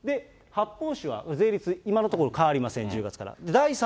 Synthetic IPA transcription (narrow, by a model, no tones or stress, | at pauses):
d̪e̞ | hapːo̞ːɕiβa̰ze̞ːɾʲit͡sɨimano̞t̪o̞koɾo̞kaaɾʲimasẽ̞ɲ̟d͡ʑɨːɡat͡sɨ̥ka̰ɾa̰d̪ed̪aisa